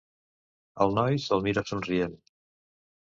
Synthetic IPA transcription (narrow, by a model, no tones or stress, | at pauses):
əlˠnɔjsɔlˠmiɾasunriɛn